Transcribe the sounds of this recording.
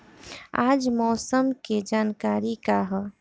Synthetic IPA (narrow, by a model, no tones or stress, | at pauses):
aːd͡ʒmɔːsəmked͡ʒaːnkaːɾikaɦɔ